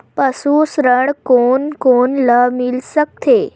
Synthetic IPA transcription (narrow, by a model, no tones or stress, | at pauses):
pəsusɾəɳkonkonləmilsək̚t̪ʰe